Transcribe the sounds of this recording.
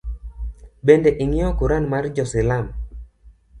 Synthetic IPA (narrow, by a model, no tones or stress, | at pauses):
bendeʔɪŋɪɔkuɾanmard͡ʒɔsɪlam